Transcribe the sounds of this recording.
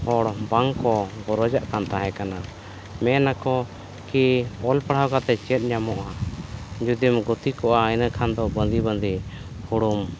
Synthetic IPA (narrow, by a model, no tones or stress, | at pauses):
hɔɽbaŋkɔɡɔɾɔd͡ʒaʔkant̪aɦɛkana | mɛ̃nakɔ | kiɔlpaɽ̤awkat̪ɛt͡ʃɛt̪̚ˀɲamɔʔa | d͡ʒud̪imɡɔt̪ikɔʔainəkʰand̪ɔbənd̪ibənd̪i | huɽum